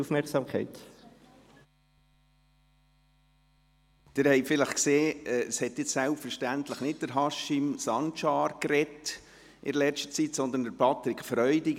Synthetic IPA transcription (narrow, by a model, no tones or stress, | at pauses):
ufmɛɾksɑːmkʰɛ̰ɪt̪ | d̪̥ɪɾhɛɪfɪləχkseːɛshɛtjɪt͡ssælpfəɾʃtænt̪ləχnɪt̚d̥əɾɦɑʃɪmsɑnt͡ʃɑːɾkɾɛt | ʔɪ̰dəlɛstə̥t͡sitsɔnd̪əndəɾpʰɑt̪ɾɪkfɾœʏdɪɡ